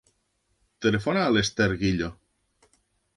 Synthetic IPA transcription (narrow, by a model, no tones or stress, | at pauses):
t̪elefonaːlest̪eɾɣiʎo